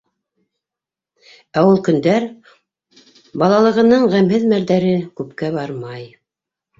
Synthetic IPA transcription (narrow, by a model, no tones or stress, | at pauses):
æwulˠkɵ̆nd̪æɾ | bɑlˠɑlˠɤ̆ʁɤ̆nɤɴʁæmhɘðmælðæɾɘkʉpkæβɑɾmɑj